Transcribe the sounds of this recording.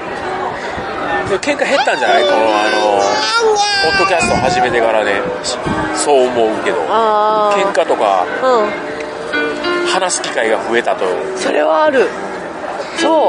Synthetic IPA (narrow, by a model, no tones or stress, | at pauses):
sokẽ̞ŋkaɦe̞t̪ːãɲd͡ʑanaiko̞noano̞ | po̞d̪ːo̞kʲasɨ̥t̪oahaʑime̞t̪e̞kaɾane̞ | i̥so̞ːmo̞ɯke̞d̪o̞̰akẽ̞ŋkat̪o̞ka̰ɯ̃ | hanaɕi̥kʲi̥kaiɡaɸɯ̟e̞t̪at̪o̞jɯ̰ | so̞̰ɾe̞̰βaːɾɯ̟ | soː